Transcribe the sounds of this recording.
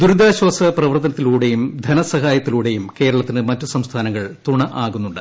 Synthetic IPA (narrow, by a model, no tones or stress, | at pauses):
d̪uɾud̪aːɕwaːsɐprɐʋɐrt̪ːɐnɐt̪ːiluːɽe̞jumd̪ʱɐnɐsɐɦaːjɐt̪ːiluːɽe̞jumke̞ːɾɐɭɐt̪ːinɨmɐtːɨsɐmst̪ʰaːnɐŋːɐɭt̪uɳɐʔaːɣunːuɳɖɨ